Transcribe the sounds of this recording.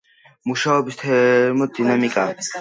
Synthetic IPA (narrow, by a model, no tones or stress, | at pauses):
muʃaɔbist̪ʰɛɾmɔd̪inamikʼa